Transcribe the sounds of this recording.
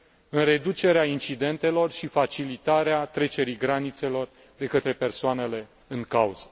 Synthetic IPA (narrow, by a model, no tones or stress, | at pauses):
ɨnre̞d̪ut͡ʃe̞ɾeaint͡ʃid̪e̞nt̪e̞lo̞rʃifat͡ʃilit̪aɾeat̪ɾe̞t͡ʃe̞ɾiɡɾanit̪se̞lo̞r | d̪e̞kət̪ɾe̞pe̞rsoane̞le̞ | ɨŋkauz̥ə̥